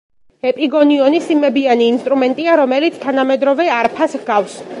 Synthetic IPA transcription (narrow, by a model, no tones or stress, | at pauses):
ɛpʼiɡɔniɔnisimɛbianiːnst̪ʼɾumɛnt̪ʼiaɾɔmɛlit̪sʰt̪ʰanamɛd̪ɾɔvɛaɾpʰasɡafs